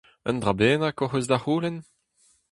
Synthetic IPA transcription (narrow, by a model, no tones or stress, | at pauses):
ə̰nd̪ʁabeːnakoχezd̪aχuːlɛn